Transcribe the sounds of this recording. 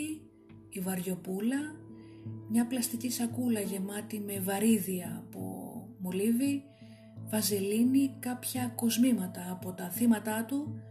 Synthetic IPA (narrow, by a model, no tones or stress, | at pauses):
ivɐɾʝo̞pulɐ | mɲɐplɐst̪icisɐkulɐʝe̞mɐt̪ime̞vɐɾiðiɐːpo̞̰molivi | vɐzelinikɐpçɐko̞zmimɐt̪ɐːpo̞t̪ɐθimɐt̪ɐt̪u